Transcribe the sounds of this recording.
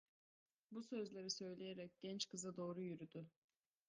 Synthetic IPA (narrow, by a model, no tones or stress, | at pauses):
busø̞zlʲe̞ɾisø̞jlʲe̞jeɾɛc̚ɟ̥ɛnt͡ʃkʰɯzad̪o̞ːɾujyɾyd̪y